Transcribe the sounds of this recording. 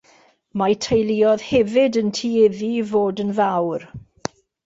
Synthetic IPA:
majtʰejlˠiːɔð̥hɛvɪdəntʰiːɪðivoːdənvawr

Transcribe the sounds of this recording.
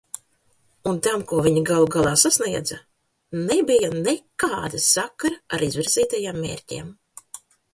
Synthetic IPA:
unt̪amkuɔvʲiɲiɡalˠuɡalˠaːsasnʲiɛd̪za | nebijanekaːd̪asakːaɾaaɾizviɾz̥ʲiːt̪ajaːmːḛːɾʲcʲḛm

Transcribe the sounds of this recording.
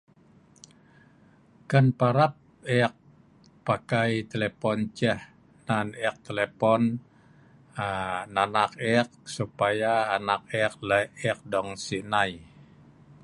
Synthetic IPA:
kanpaɾap̚ | ɛk̚ | pakajt̪elepɔnt͡ʃɛh | nanɛk̚t̪elepɔn | nanak̚ɛk̚supajaːnak̚ɛk̚ləɛk̚dɔŋsinaj

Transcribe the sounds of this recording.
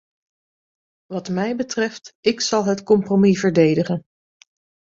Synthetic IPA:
ʋɑtmɛjbətrɛftɪksɑlˠɦətkɔmpromivəɹdejdəχən

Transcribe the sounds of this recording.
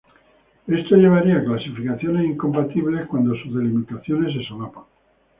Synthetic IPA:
e̞st̪o̞ʝe̞β̞aɾiaklasifikaθjo̞ne̞siŋko̞mpat̪iβle̞hkwand̪o̞suzðe̞limit̪aθjo̞ne̞s̬esolapaŋ

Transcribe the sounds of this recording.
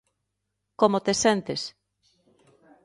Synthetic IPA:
komot̪esent̪es

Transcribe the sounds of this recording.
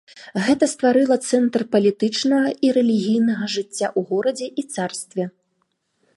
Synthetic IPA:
ɣɛt̪ɐst̪vaɾɨlˠɐt̪sɛnt̪rpɐlʲit̪ɨt͡ʂnɐɣɐʔiɾɛlʲiɣʲijnɐɣɐʐɨt͡sʲːa̰ʔuɣɔɾɐd͡zʲɛʔit̪sarst̪vʲɛ

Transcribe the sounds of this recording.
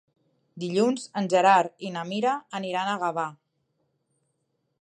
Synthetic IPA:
d̪iʎunzənʲʒəɾaɾinəmiɾəːniɾanəɣəβa

